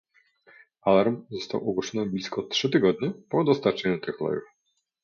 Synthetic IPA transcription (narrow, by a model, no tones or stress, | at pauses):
alaɾmzɔst̪a̰wʔɔɡwɔʂɔnɔblʲiskɔtʂɘt̪ɘɡɔd̪̚ɲɛpɔd̪ɔst̪aɾt͡ʂɛɲut̪ɘxlɔ̰jṵf